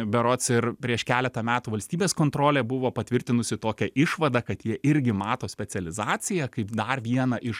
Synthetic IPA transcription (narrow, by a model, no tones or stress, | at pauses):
bʲɛɾoːt̪sɪɾpʲɾʲiɛʃkʲæːlʲɛt̪ɐmʲæːt̪uːʋɐlʲsʲt̪ʲiːbʲeːskoːnt̪ɾoːlʲeːbʊʋoːpɐt̪ʲʋʲɪɾʲt̪ʲɪnʊsʲɪt̪oːkʲɛʔɪʃʋɐd̪ɐkɐt̪jiɛʔɪɾʲɡʲɪmɑːt̪oːsʲpʲɛtt͡s̪ʲɛlʲɪzɑːt͡s̪ʲɪjɛkɐɪpd̪ɐrʋʲiɛnɐʔɪʃ